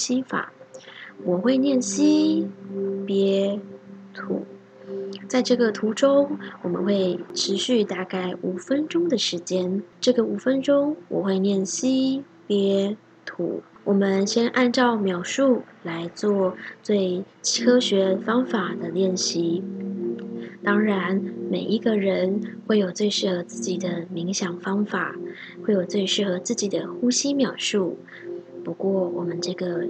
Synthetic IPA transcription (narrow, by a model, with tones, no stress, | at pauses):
ɕi˥fa̰˨˩˦wɔ˨˩xwe˥˧ɪnjɛ˥˩nɕi˥ | pjɛ˧˥ | t̪ʰṵ˧˩˥ | t͡sa˥˧ɪʈ͡ʂɤ˥˩ɡə˩t̪ʰu˧˥ʈ͡ʂʊ˥ŋwɔ˨˩mə̰˦nxwe˥˩ɪʈ͡ʂʰɻ̩˧˥ɕy˥˧t̪a˥˧ka˥˩ɪʔu˨˩fə˦˥nʈ͡ʂʊ˥ŋd̪ə˨ʂɻ̩˧˥t͡ɕjɛ˥nʈ͡ʂɤ˥˩ɡə˩u˨˩fə˦˥nʈ͡ʂʊ˥ŋwɔ̰˨˩xwe˥˧ɪnjɛ˥˩nɕi˥ | pjɛ˧˥ | t̪ʰṵ˧˥wʔɔ˨˩mə˦nɕjɛ˥nʔa˥˧nʈ͡ʂɑ˥˩ʊmjɑ˨˩ʊʂu˥˩la˧˥ɪt͡swɔ˥˩t͡swe˥˧ɪt͡ɕʰi˥kʰɤ˥ɕɥɛ˧˥fɑ˥ŋfa˨˩d̪ə˦ljɛ˥˩nɕi˧˥ | t̪ɑ˥ŋɻa˧˦nme˨˩ɪʔi˧˥ɡə˧ɻə˧˥nxwe˥˩ɪjo˨˩ʊt͡swe˥˧ɪʂɻ̩˥˩xɤ˧˥t͡sɹ̩˥˩t͡ɕi˨˩d̪ə˦mi˧˥ŋɕjɑ˨˩ŋfɑ˥ŋfa̰˨˩˦ | xwe˥˩ɪjo˨˩ʊt͡swe˥˧ɪʂɻ̩˥˩xɤ˧˥t͡sɹ̩˥˩t͡ɕi˨˩d̪ə˦xu˥ɕi˥mjɑ˨˩ʊʂu˥˩ | pu˧˥kwɔ˥˩wɔ˨˩mə˦nʈ͡ʂɤ˥˩ɡə˩